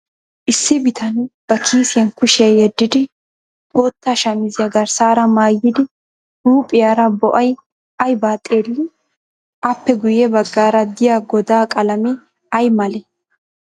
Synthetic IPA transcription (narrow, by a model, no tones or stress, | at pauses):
ʔɪsːɪbɪt̪ʰɐnb̥ɐkʰiːsɪjɐnkʊʃɐjɛd̪ːɪd̪ɪ | oːt̪ːaːʃɐmɪzɪjɐɡɐɾsaːɾɐmaːjːɪd̪ɪ | ɾuːpʼɪjaːɾɐbɔʔɐj | ɐjbaːt̪ʼːeːlːɪ | ʔɐpːɛɡʊjɛbɐɡːaːɾɐd̪ɪjaɡɔd̪aːkʼɐlɐmɛ | ɐjmɐlɛ